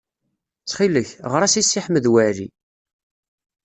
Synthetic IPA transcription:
t͡sːχiləçʁəɾˤæsisːiħməðwæɾḭ

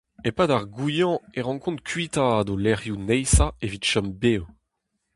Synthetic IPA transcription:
epadaʁɡujɑ̃eʁɑ̃kɔ̃nt̪̚kʰɥit̪aːdolɛʁjunɛjsaevit̪ʃɔmbeːw

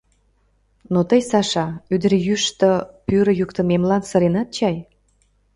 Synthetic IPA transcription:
not̪əjsɑʃɑyd̪ə̆ɾjyʃt̪əpyɾə̆jukt̪ə̆memlɑnsə̆ɾenɑt̪̚t͡ɕɑj

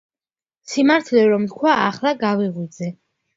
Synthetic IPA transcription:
simaɾt̪ʰlɛɾɔmt̪̚kʰwaaχlˠaɡaviʁwid̪zɛ

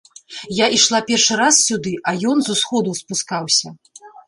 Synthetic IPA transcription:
jaʔiʂlˠapʲɛrʂɨɾassʲud̪ɨʔɐjɔnzusxɔd̪uspuskawsʲɐ

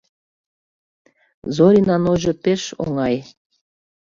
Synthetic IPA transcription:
zoɾʲinɑnoʒɤ̆peʃo̰ŋɑj

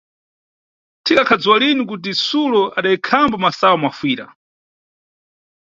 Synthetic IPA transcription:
tʰikakʰad͡zuwalinik̬ut̬isulɔʔaɗaikʰambɔmasawɔmwafwiːɾa̰

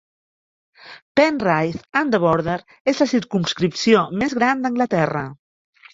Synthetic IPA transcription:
pɛnrajθand̪əβɔɾðeɾ | ezləsiɾkumskɾipsiomezɣɾand̪əŋɡlət̪ɛrə̰

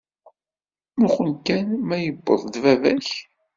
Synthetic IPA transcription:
mʊχənkænmæjəbːə̰ðˤðvævæ̰ç

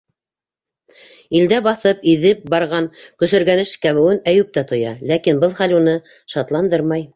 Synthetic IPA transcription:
ild̪æbɑθɤpiðɘp̚bɑɾʁɑnkɵ̆ʃɘ̆ɾɡænɘʃkæβɘ̆wɘnæjʉp̚t̪æt̪ŏjɑ̰lækinbɤlˠχælunɤ | ʃɑt̪lˠɑnd̪ɤɾmɑj

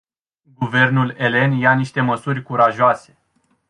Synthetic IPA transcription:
ɡuve̞rnule̞le̞njaniʃt̪e̞məsurʲkuɾaʒoase̞

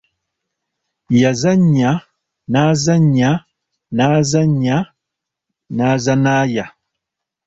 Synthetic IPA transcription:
jazaɲa | nazaɲa | nazaɲa | nazanaːja

